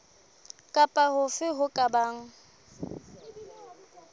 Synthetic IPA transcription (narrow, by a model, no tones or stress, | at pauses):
kʼapʼahʊfɪɦʊkʼabaːŋ̩